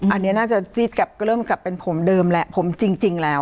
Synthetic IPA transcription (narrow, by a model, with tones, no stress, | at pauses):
ʔa˧nːi˦˥ɐnaː˥˩t͡ɕa˨˩si˦˥t̪̚kaː˨˩p̚kɾɤː˥˩mka˨˩pːe˧npʰo˩˦mdɤː˧mlɛ˦˥ʔpʰo˩˦mt͡ɕi˧ŋt͡ɕi˧ŋlɛː˦˥w